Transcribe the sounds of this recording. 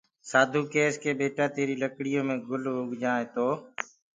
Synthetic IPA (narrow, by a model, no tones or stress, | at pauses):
saːd̪ʱuːkeːskʰeːɓeːʈaːt̪eːɾiːləkɽɪjõːmẽːɡʊlɦʊɡʱd͡ʒaːẽːt̪oː